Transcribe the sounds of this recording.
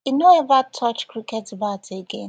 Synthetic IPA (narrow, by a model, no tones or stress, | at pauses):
inoɛvatʰɔt͡ʃkɹikɛtəbaʊtʰeɡẽn